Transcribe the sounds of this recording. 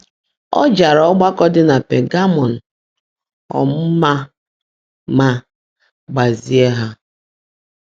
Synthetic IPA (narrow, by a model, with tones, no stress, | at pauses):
ɔ̰˦d͡ʒa˨ɾɔ˦ɡ͡ba˦kɔ˦dɪ˦na˨pe˨ɡa˦mɔ˨n̩˨ | ɔ̰˨m̩˦ma˦ | ma˦ | ɡ͡ba˨zi˨e˦ɦa˦